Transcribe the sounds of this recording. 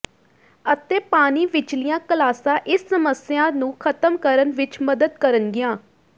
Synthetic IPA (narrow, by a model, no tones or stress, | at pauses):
ət̪eːpaːniːʋɪt͡ʃlɪjãːkəlaːsãːʔɪsːəməsɪjãːnũːkʰət̪əmkəɾənʋɪt͡ʃməd̪əd̪kəɾənɡɪjãː